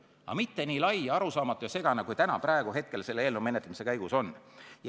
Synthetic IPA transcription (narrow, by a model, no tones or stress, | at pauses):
ɑ̰mit̪ːe̞niːlɑjɑɑɾusɑːmɑt̪ːˑujɑse̞ɡ̥ɑnekujt̪ænɑ̰pɾɑeɡ̥uɦe̞t̪̚ke̞lse̞lːeeːlnevme̞net̪lemise̞kæjɡ̥uso̞nːj